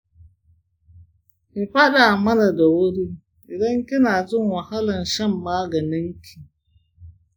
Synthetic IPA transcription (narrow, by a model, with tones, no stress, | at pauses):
ɪ˨ɸa˦ɗa˨mɐ˦na˨da˨wʊ˦ɽi˦ | ʔɪ˨dɐ˦ŋkʲɪ˦naː˨zɪ˦ŋwɐ˨ha˦lɐ˨nʃɐ˦˨mːaː˦ɡɐ˨nɪ˦ŋkʲʰiː˨